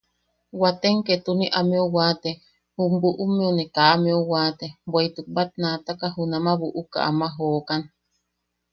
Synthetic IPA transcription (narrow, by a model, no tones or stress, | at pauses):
wat̪eŋket̪uniʔamiowat̪e | humbuʔumĩonikaʔmiowaːt̪ebʷeit̪uk̚bat̪̚nat̪akaɦunamaβuʔuka̰ʔa̰maɦoːkan